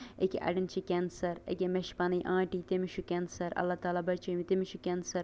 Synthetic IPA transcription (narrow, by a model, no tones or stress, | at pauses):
ekeʔɐ̰ɖɐnt͡ʃʰikʲɛːnsɐɾḛkemeʃpɐnɐjʔãːʈit̪emiʃʰukʲɛːnsɐɾɐ̰lːat̪aːlaːbɐɾt͡ʃʰɐmit̪emiʃʰukʲɛnsɐɾ